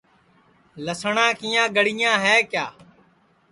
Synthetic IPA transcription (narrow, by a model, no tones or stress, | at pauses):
ləsɳãːkiːãːɡəɽ̤iːãːɦɛːkjaː